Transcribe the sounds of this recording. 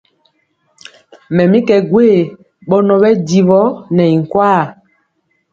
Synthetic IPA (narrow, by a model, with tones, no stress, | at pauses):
mɛ˨mĩ˦kɛ˨ɡwe˦˨ | ɓɔ˦nɔ˨ɓɛ˦di˨vɔ˦nɛ˨i˨ŋ̩˨kwa˦˨